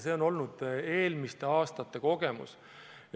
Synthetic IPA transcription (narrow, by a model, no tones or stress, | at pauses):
se̞o̞no̞lnud̪̥e̞ːlmist̪e̞ɑːst̪ɑt̪ːe̞ko̞ɡ̥emṵs